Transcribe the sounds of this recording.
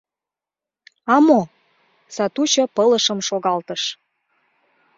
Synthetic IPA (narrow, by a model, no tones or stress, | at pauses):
ɑmo | sɑt̪ut͡ɕɤ̆pɤləʃə̆mʃoɣɑlt̪əʃ